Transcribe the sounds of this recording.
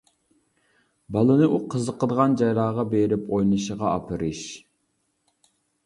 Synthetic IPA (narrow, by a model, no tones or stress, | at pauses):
bɑlˠɨnɨʔuqʰəzəqəd̪əʁɑnd͡ʒɑjlˠɑːʁɑbeɾɪpojnˠɨʃəʁɑɑpʰɨɾɨʃ